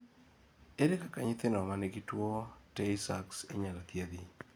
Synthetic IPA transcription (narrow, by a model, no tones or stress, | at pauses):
eɾekakaɲɪt̪ɪnɔmaneɡitwotɛɪsakseɲalat̪jed̪i